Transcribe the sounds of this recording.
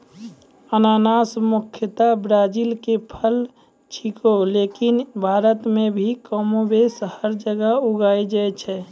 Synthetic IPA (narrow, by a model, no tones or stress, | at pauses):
ənaːnaːsmukʰjət̪abɾaːd͡ʒilkepʰəl | t͡ʃʰikoleːkinbʱaːɾət̪mẽbʱikɔmobesəhəɾd͡ʒəɡəuɡaːid͡ʒaɛt͡ʃʰɛ